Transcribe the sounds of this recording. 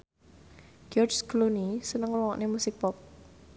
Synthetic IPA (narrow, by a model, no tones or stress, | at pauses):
ɡ̥ɔrd͡ʒɡlonisənəŋwɔŋɔʔnemusɪk̚pɔp̚